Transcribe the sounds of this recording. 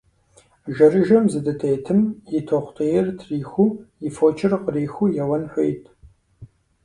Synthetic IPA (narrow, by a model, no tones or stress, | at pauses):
ʒɐrɨʒɐmzɨdɐtʰejtʰɨmjɪtʰoχʷtʰejɛrtʰriːxʷuɪfoːt͡ʃʰɪrqəriːxʷujawɐnħʷḛjtʰ